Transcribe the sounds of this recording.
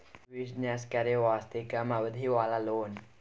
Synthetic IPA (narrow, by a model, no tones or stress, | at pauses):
ʋisnjaskaɾeʋast̪ekamaʋəd̪ʱiʋalaloːn